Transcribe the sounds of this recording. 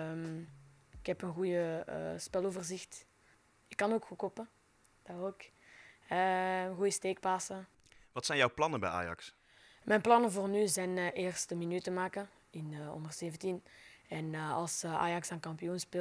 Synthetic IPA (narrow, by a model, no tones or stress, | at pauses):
m | ɪkhɛpənɣujəə̰spɛlˠoːvərzɪxt | ɪkːɑnoːkxukopə | d̥aoːk | ɛənɣujəsteːk̚paːsə | ʋɑtsɛjnjɔwplɑnəbɛ̰jʔa̰ːjɑ̰ks | mʔɛjnplɑnəvoːrnyzɛjnʔeːrstəminytəmaːkə | ɪnɔ̰ndərz̥eːvəntinɛnːɑ̰lˠsəa̰ːjɑksaːnkɑmpijonspe